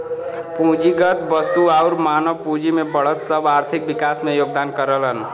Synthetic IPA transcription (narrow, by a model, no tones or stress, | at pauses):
pũɦd͡ʒiɡʌt̪bʌst̪uawɾmanʌbpud͡ʒimebʌɭʌt̪sʌbaɾt̪ʰik̚bikasmejoɡ̚d̪ankʌɾəlʌn